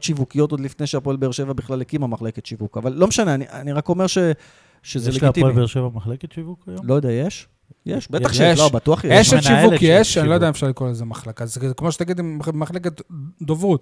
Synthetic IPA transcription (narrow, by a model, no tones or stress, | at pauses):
tʃivukijo̞t̪od̪lifnejʃeapoelbeeʁʃe̞vabiχlalekimamaχleket̪ʃivukavalːo̞meʃaneaniʔaniʁako̞meʁʃe | ʃezeleɡiptilbeeʁʃevamaχleket̪ʃivukajolo̞jod̪eajeʃ | jeʃbeaχʃlobat̪uaχjeeʃnivukjeʃanilojodeaefʃaʁlikolezemaχlakazkmoʃe̥t̪aɡid̪immaχleket̪d̪ovʁut̪